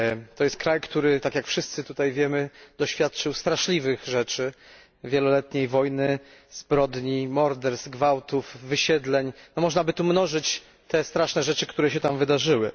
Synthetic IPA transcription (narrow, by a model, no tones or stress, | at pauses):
t̪ɔjɛst̪̚kɾajkt̪uɾɘt̪akjakfʂɘst̪sɘt̪ut̪ajvʲjɛmɘd̪̥ɔɕfʲjat̪t͡ʂɘwst̪ɾaʂlʲivɘɣʐɛt͡ʂɘ | vʲjɛlɔlɛt̪ɲejvɔjnɘ | z̥bɾɔd̪ɲimɔɾd̪ɛɾsɡvawt̪ufːɘɕɛd̪lɛɲnɔmɔʐnabɘt̪umnɔʐɘt͡ɕ | t̪ɛst̪ɾaʂnɛʐɛt͡ʂɘkt̪uɾɛɕɛt̪amvɘd̪aʐɘwɘ